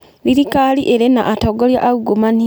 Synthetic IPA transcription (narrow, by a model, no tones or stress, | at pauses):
liɾikaːliʔeɾena̰ʔːtoɡoljaʔːuɡomani